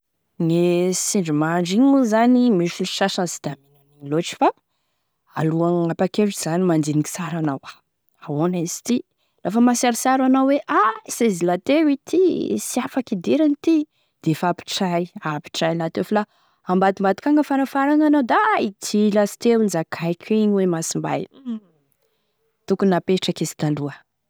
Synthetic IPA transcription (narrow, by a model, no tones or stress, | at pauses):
nesiɳɖ͡ʐimaɳɖ͡ʐiɲuzanimiʃiliʃaʃazi̥d̪̥aminaniloʈ͡ʂi̥fa | a̰luaŋapakeʈ͡ʂiz̥animand̪iniki̥saɾanawa | awonesi̥t̪i | lafəmasaɾisaɾanawweʔasezilat̪ewit̪ʰisiafakid̪eɾanit̪i | d̪̥efapi̥ʈ͡ʂajapi̥ʈ͡ʂajlat̪eofala | ambad̪imbat̪i̥kaŋɡəfaɾafaɾananawd̪ait̪ilasi̥t̪ewunizakʰajkʰiɲwemasimba̰j | t̪ukunapeʈ͡ʂəkesi̥t̪aluə